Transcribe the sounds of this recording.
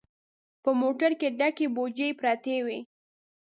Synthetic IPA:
pəmoʈaɾked̪akebod͡ʒejpɾɑt̪ewi

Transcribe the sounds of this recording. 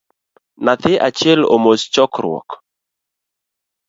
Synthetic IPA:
nat̪ɪʔat͡ʃjɛlo̰most͡ʃɔkɾwɔ̰k

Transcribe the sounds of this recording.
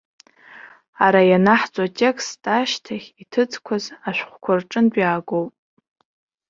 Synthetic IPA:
aɾajanaħt͡sʷʼatʼe̞kstʼaʃtʰaχʲitʰɨt͡sʰʼkʷʰazaʃʷᶣχʷkʷʰʊrʈ͡ʂʼɨndʷᶣaːɡowpʼ

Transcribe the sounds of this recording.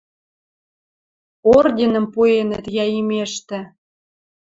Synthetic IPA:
ordʲinə̆mpuenə̰t̪jɑimeʃt̪ĕ

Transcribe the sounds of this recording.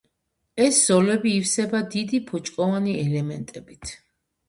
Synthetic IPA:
ɛsz̥ɔlɛbiːfsɛbad̪id̪ipʰɔt͡ʃʼkʼɔvaniɛlɛmɛnt̪ʼɛbit̪ʰ

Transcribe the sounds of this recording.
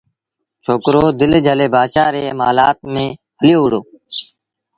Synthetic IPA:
t͡ʃʰoːkɾoːd̪ɪld͡ʒʱəleːbaːʃaːɾeːmaːlaːt̪̚mẽːɦʰəljoːʊɽoː

